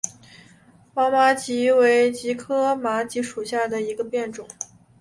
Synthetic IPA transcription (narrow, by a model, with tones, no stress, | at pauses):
wa˧˥ma˧˥t͡ɕi˧˥we˧˥ɪt͡ɕi˧˥kʰɤ˥ma˧˥t͡ɕi˧˥ʂu˨˩ɕja˥˩d̪ə˩i˧˥ɡə˧pjɛ˥˩nʈ͡ʂʊ˨˩˦ŋ˦